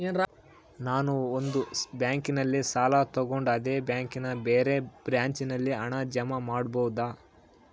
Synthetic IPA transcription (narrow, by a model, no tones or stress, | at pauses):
en | naːnuond̪ubjaːŋkinɐlːisaːlat̪ɐɡo̞ɳɖɐd̪e̞ːbjaːŋkinɐbeːɾe̞b̥ɾjaːɲt͡ʃinɐlːiɐɳɐd͡ʒɐmamaːɽbɐwud̪aː